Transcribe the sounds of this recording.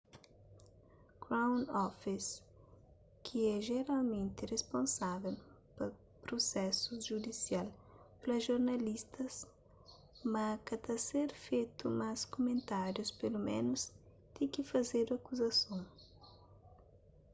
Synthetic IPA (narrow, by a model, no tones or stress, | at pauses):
kɾawnɔfis | kʰɪɛʒeɾalmẽnt̪ɪrespõnsavɛl | pɐ | pɾosɛsʊʒud̪isialplɐʒoɾnalist̪ɐs | makat̪aseɾfejt̪ʊmaskomẽnt̪aɾjʊspelumḛ̃nʊs | t̪ikɪfazeɾuakuzɐsõw̃